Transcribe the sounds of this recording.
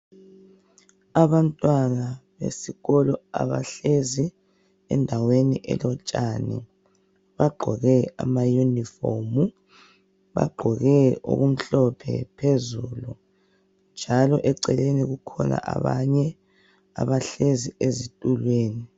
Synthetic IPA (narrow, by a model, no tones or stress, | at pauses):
aβantʼwanaβḛsiɣɔlɔaβa̰ɬezi | ɛ̰ndʱaweniʔɛ̰lɔt͡ʃʼanḭ | βaɡ͡ǃʱɔɣɛamajunifomu | βa̰ɡ͡ǃʱɔɣɛo̰ɣum̩ɬɔpʰɛ̰pʰezulu | nd͡ʒʱalɔʔɛǀɛleniɣukʰɔna̰ʔa̰βaɲɛ | a̰βaɬeziezitʼulweːni